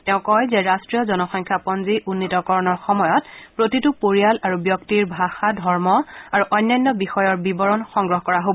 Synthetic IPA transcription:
tɛʊ̃kɔjzɛɹastɹijɔzɔnɔxɔŋkʰapɔnziʔunːitɔkɔɹɔnɔɹxɔmɔjɔtpɹotitupoɹijalaɹubjɔktiɹbʱaxadʱɔɹmɔaɹuʔɔjnːɔjnːɔbixɔjɔɹbibɔɹɔnxɔŋɡɹɔɦɔkɔɹaɦobɔ

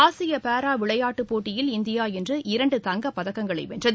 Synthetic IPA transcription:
aːsɪjɐpaːɾaːʋɪɭɐjaːʈːɯpːoːʈːɪjɪlɪnd̪ɪjaːɛndrɯʔɪɾɐɳɖɯt̪ɐŋɡɐpːɐðɐkːɐŋɡɐɭɐɪʋɛndrɐð

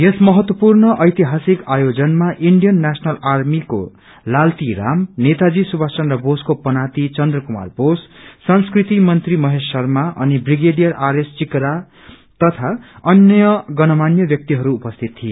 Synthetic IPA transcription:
jesmʌɦʌt̪wʌpurnʌʔʌjt̪iɦasikajod͡zʌnmaʔiɳɖijʌnːasʌnʌlarmiko̰ | lalt̪iɾa̰mnet̪ad͡zisubʱasʌnrʌboskopʌnat̪it͡sʌnd̪rʌkuma̰rbossʌnskrit̪imʌnt̪rimʌɦesːʌrmaʔʌnibriɡeɖijʌrʔaɾest͡sikɾa | t̪ʌt̪ʰaʌnjʌɡʌnʌmanjʌbjʌk̚t̪iɦʌɾuːpʌst̪ʰit̪ːʰijo

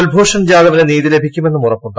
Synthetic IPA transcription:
ɐlbʱoːʂɐmd͡ʑaːðɐʋɐneniːðile̞bʱikʲːume̞nːumurɐpːuɳʈː

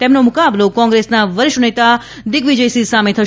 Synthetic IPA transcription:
t̪emnomʊkablokɔ̃ːŋɡɾesnaʋəɾɪʃʋənet̪a | d̪ɪkʋid͡ʒəjsisamet̪ʰəʃ

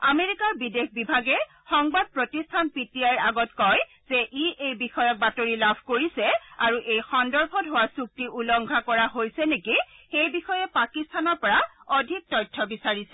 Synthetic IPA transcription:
ameɹikaɹbidexbibʱaɡɛ | xɔŋbad̚pɹotistʰanpitiajɹaɡɔtkɔj | zɛʔiʔejbixɔjɔk̚batoɹilabʱkoɹisɛaɹuʔejxɔndɔɹbʰɔdɦowasuk̚tiʔulɔŋɡʱakɔɹaɦojsɛnekixejbixɔjɛpakistʰanɔɹpɔɹa | ɔdʱik̚tɔjtʰːɔbisaɹisɛ

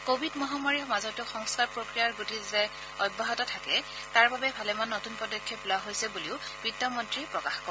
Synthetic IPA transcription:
kobʱidmɔɦamaɹixmazɔtʊxɔŋskaɹpɹokɹijaɹɡutizɛ | ɔjbʱːaɦɔtɔtʰakɛ | taɹbabɛbʱalɛmanːotunpɹɔdɔkʰːjɔpulaɦojsɛbuliʊb̥idɔmɔntɹipɹɔkaxkɔ

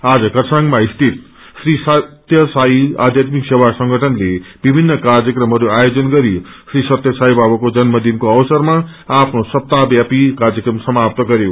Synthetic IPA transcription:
ad͡zʌkʌsʰaŋɡmaist̪ʰit̪̚ | srisʌtt̪jʌsaia̰d̪ʱjat̪miksewasʌŋɡʱʌʈʰʌnlebibʱinːʌkard͡zjʌkrʌmɦʌɾuajod͡zʌnɡʌɾisrisʌt̪jʌsaibabʌkod͡zʌnmʌd̪ʱinkoʌwsʌrma | apʰnosʌp̚t̪abjapikard͡zjʌkrʌmsʌmap̚t̪ʌɡʌɾjo

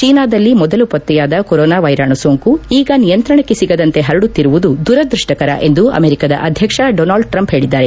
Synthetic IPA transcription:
t͡ʃiːnaːd̪ɐlːimɔd̪ɐlupɐt̪ːɛjaːd̪ɐkoɾoːnaːʋɐjɾaːɳusoːŋkuiːɡɐnijɐnt̪ɾɐɳɐkːesiɡɐd̪ɐnt̪e̞ɦɐɾɐɽut̪ːiɾuʋud̪ud̪uɾɐd̪ɾuʂʈɐkɐɾɐ̰ʔe̞nd̪uɐ̰meːɾikɐd̪ɐ̰ʔɐd̪ʱjɐkʂɐɖoːnaːlɖʈɾɐmpɦe̞ːɭid̪ːaːɾe

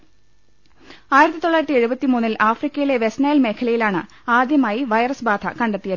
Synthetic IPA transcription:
aːjiɾɐt̪ːit̪o̞ɭːaːjɾɐt̪ːie̞ɻubɐt̪ːimuːnːilʔaːfrikʲːɐjile̞ʋe̞snaːjilme̞ːkʰɐlɐjilaːɳɨ | aːd̪jɐmaːjiʋɐjɐrɐsbaːd̪ʱɐkɐɳɖet̪ːijɐ

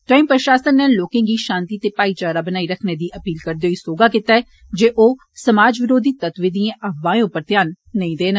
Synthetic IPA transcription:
ʈɾaːimpɾʃaːsənːɛːloːkɪ̃ːɡiːʃãːnt̪iːt̪eːpaːiːt͡ʃaːɾaːbənaːiːɾəkʰneːd̪iːʔəpiːlkəɾd̪eoiːsoːɡaːkɪt̪aːɛː | d͡ʒeːʔoː | səmaːd͡ʒʋɪɾoːd̪iːt̪ət̪ʋid̪iːẽːʔəʋãːjõːpəɾt̪ɪjaːnː | əĩːd̪eːnə

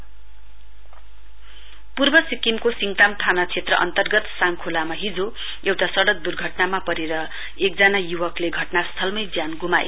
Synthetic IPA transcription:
purbʌsikimkosiŋɡʈamʈʰanat͡sʰet̪rʌʔʌ̰nt̪ʌrɡʌt̪saŋkʰulamaɦid͡zo | ewʈasʌɽʌk̚d̪urɡʱʌʈnamapʌɾeɾʌ | ekd͡zanajuwʌkleɡʱʌʈnast̪ʰʌlmʌjd͡zjanɡumaj̰

